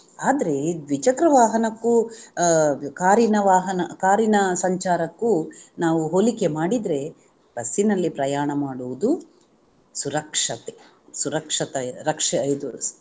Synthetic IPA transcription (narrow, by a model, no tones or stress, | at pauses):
aːd̪ɐɾe̞d̪ʋit͡ʃɐkɾɐʋaːɦɐnɐkːu | kaːɾinɐʋaːɦɐnɐkaːɾinɐsɐɲt͡ʃaːɾɐkːunaːʋuɦoːlike̞maːɽid̪ɾe̞ | b̥ɐsːinɐlːipɾɐjaːɳɐmaːɽuʋud̪u | suɾɐkʂɐt̪e | suɾɐkʂɐt̪ɐɾɐkʂɐɐjd̪u